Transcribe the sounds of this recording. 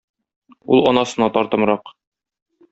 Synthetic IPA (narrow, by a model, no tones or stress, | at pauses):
ulˠɒnɑsɤ̆nɑt̪ɒɾt̪ɤ̆mɾɑq